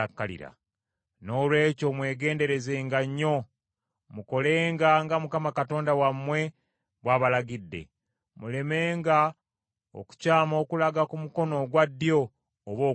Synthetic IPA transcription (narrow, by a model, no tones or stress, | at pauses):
akːalḭɾa̰ | no̞ːlwe̞ːcomwe̞ːɡe̞ːnde̞ɾe̞ze̞ːŋɡaɲːo̞ | muko̞le̞ːŋɡaŋɡamukamakato̞ːndawamːwe̞ | βwaːβalaɡidːe̞̰ | mule̞me̞ːŋɡa | o̰ku̥caːmo̞ːkulaɡakumuko̞no̞ɡwadːjo̞ː | βoː